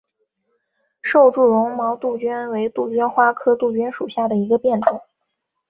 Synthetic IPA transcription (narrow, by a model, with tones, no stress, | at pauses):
ʂo˥˧ʊʈ͡ʂu˥˩lʊ˧˥ŋmɑ˧˥ʊt̪u˥˩t͡ɕɥɛ˥nwe˧˥ɪt̪u˥˩t͡ɕɥɛ˥nxwa˥kʰɤ˥t̪u˥˩t͡ɕɥɛ˥nʂu˨˩ɕja˥˩d̪ə˩i˧˥ɡə˧pjɛ˥˩nʈ͡ʂʊ˨˩˦